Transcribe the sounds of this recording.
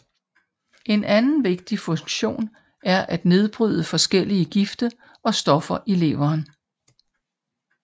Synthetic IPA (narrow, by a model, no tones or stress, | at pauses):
ʔe̝nʔænn̩ʋe̝ɡ̥̚d̥ifɔ̽ŋɕo̝̰ːn | æɐʔæd̥ne̝ð̞ˠb̥ʁy̰ð̞̰ˠəfɒ̽sɡ̥el̰iəɡ̥ifd̥ə | ɒ̽sd̥ɒ̽fɐʔe̝le̝̰ʊɐːn